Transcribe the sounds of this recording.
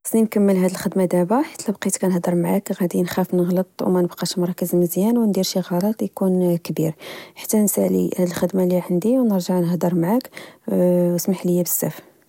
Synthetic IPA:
sninkæmːəlɦæd̪əlxəd̪mad̪æbaħḁt̪ʰːlæbqit̪kænəhd̪əɾˤmaʕakɣæd̪inxæfnəɣlət̪ˤwmænəbqɑʃmɑɾˤɑkəzməzjænwnd̪iɾʃiɣɑɾˤɑt̪ˤjkunkbiɾħḁt̪ːænəsæʕlḭhæd̪əlxəd̪maliʕənd̪iwnəɾʒaʕnəhd̪əɾˤmaʕak | wəsmaħləjːæbəsːæ̰f

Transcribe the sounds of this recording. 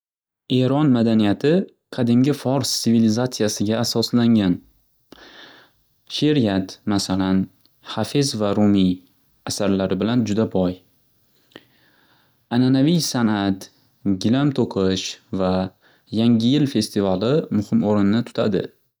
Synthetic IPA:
e̞ɾɒnmad̪anijat̪ʰɪ | qʰɑd̪ɪmɡʲɪfɒɾst̪sɪvilɪzat̪sɪjasɪɡʲaːsɒslaŋɡʲan | ʃe̞ɾjat̪masalan | hafɪzvaɾumij | asaɾlaɾɪbɪland͡ʒʊd̪abɒj | ananavijsanat̪ | ɡʲɪlamt̪ʰoqʰɨʃva | jaŋɡʲɪjɪlfe̞st̪ivalɪmʊhɪmoɾɪnɪnɪt̪ʰʊ̥t̪ʰa̰d̪ɪ̰

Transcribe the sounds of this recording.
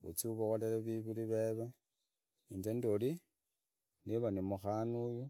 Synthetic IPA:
ṵt͡siuβoɣoleleβiβuliβeβe | ind͡ʒendoli | niβanimuxanuju

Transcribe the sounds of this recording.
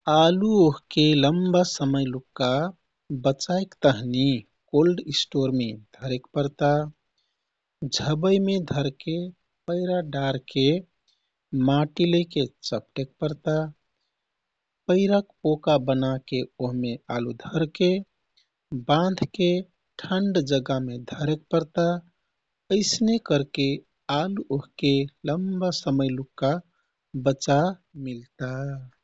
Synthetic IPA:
aluoɦkeləmbasəməjlukːa | bət͡ʃajkt̪əɦni | kolɖisʈoɾmed̪ʱəɾekpəɾt̪a | d͡ʒʱəbəjmed̪ʱəɾke | pəɪɾaɖaɾke | maʈiləket͡ʃəpʈek̚pəɾt̪a | pəɪɾakpokabənakeoɦmealud̪ʱəɾke | bãnd̪ʱke | ʈʰəɳɖd͡ʒəɡamed̪ʱəɾek̚pəɾt̪a | əɪsnekəɾke | aluʔoɦkeləmbasəməjlukːa | bət͡ʃamilt̪a

